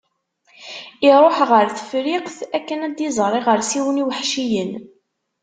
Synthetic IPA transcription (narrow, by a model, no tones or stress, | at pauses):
iɾˤoħʁəɾθə̥fɾiqθækːənæd̪jizˤɾˤiʁəɾsiwəniwəħʃijən